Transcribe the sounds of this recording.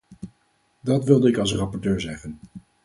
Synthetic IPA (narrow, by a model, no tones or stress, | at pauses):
dɑtʋɪlˠdəɪkɑlˠsrɑpɔɹtøːɹzɛχən